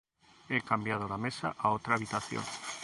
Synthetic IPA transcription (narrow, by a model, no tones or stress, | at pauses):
ekambjað̞oðamesa̰ʔaot̪ɾaːβit̪aθjo̰ŋ